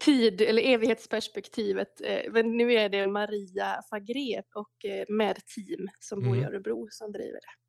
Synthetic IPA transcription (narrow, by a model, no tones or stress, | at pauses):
t̪ʰiːd̪ɛlːəɾeːvɪɡheːt̪spʰæʂpɛkt̪ʰiːvət̪mɛnːʉ̟ːæɖɛmaɾiːafaɡɾeːvɔkmɛd̪t̪ʰiːmsɔmbuːɾɪa̰ːɾəbɾuːsɔmd̪ɾḭːvə̰ɖɛ